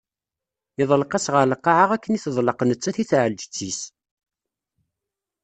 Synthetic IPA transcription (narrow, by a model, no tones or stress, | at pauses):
ɪðˤəlqɑsʁəɾləqːɑʕəʁækːəniθəðˤləqnət͡sːæθiθʕəld͡ʒət͡sːis